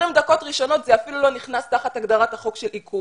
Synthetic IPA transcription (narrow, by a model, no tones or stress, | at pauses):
imd̪ako̞t̪ʁiʃo̞no̞t̪zeafilulo̞niχnast̪aχataɡd̪aʁathaχo̞kʃeliku